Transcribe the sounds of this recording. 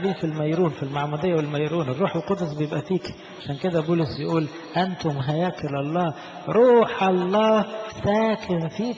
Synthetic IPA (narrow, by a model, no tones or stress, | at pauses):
biːfilmæjɾuːnfilmaʕmuːd̪ejːawɪlmæjɾuːnɪrːuːħelqod̪sbɪjebʔæfiːk | aʃæːnked̪æbuːlɪsjɪʔuːl | ʔænt̪ʊmɦæjæːklɑlˤːɑː | ɾuːħʔɑlˤːɑːsæːkʰɪnfiː